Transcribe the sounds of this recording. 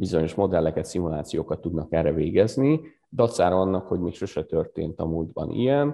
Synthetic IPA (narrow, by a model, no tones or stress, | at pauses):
bizo̞ɲo̞ʃmo̞d̪ɛlːɛkɛt̪simulaːt̪sijoːkɒt̪ːud̪nɒkɛrɛveːɡɛzni | d̪ɒt̪saːɾɒɒnːɒkho̞ɟmeːkʃoʃɛt̪ørt̪ḛːnt̪ɒmuld̪bɒ̰nʔḭjɛn